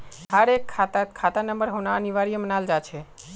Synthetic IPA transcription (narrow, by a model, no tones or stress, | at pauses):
ɦaɾekʰːat̪akʰat̪anəmbəɾɦonaəniʋaɾijəmənald͡ʒat͡ʃʰe